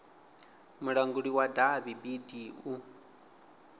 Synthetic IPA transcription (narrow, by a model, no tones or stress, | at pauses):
muɺaŋɡuɺiwadaβibidiu